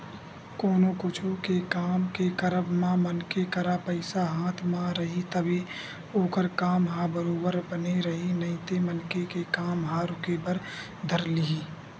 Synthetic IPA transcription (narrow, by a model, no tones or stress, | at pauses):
koːnokʊt͡ʃʰukekaːmkekəɾəbmãmənkekəɾapəɪsaɦaːt̪ʰmãɾəɦit̪əbe | oːkəɾkaːmɦabəɾoːbəɾbəneɾəɦinɐiɪ̃t̪emənkekekaːmɦaɾʊkepəɾ | d̪ʱəɾliɦiː